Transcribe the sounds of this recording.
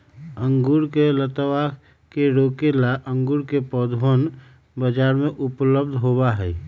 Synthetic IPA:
ə̃ŋɡuɾkelət̪əwa | keɾoːkelaʔə̃ŋɡuɾkepɔːd̪ʱʋən | bəd͡ʒaːɾmẽʔʊpləb̚d̪ʱɦobaɦɛː

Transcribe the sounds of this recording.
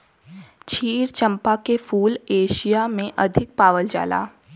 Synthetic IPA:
t͡ʃʰiːɾt͡ʃɐ̃mpakefuːleːʃijamẽʔɐd̪ʱɪk̚paːʋəld͡ʒa̰ːla̰ː

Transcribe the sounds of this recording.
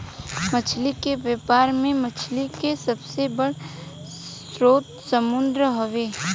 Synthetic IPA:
mət͡ʃʰlikeʋepaːɾmẽmət͡ʃʰlikesəbsebəɽ | s | ɾoːt̪səmʊnd̪ɾəɦoʋeː

